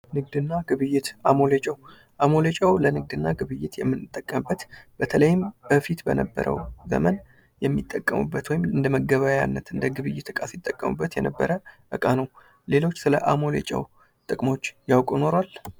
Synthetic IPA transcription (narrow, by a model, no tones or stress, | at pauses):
nɨɡd̪ɨnːaɡɨβɨjːɪt̪ʔamo̞let͡ʃʼɛw | ʔamo̞let͡ʃʼəwlənɨɡ̚d̪ɨnːaɡɨβɨjːɪt̪jɛmːɨnːɨt̪ʼːəkʼːəmɨbːət̪b̥ət̪ʰələjɪmbəfit̪bə̰nəbːə̰ɾʔə̰wzə̰mən | jɛmːit̪ʼːəkʼːəmṵbːət̪wɔjɪmɨnd̪əməɡəβaja̰nːət̪ɨnd̪əɡɨβɨjːɪt̪ɨkʼasit̪ʼːəkʼːəmṵbːət̪jɛnəbːəɾəʔɨkʼanəw | le̞lo̞t͡ʃːsɨləʔamo̞lḛt͡ʃʼɛ̰w | t̪ʼɨkʼmo̞t͡ʃːjawkʼuno̞ɾal